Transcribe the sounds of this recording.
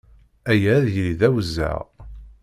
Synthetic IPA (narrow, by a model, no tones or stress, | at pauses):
æjæðjliðæwəzːæ̰ʁ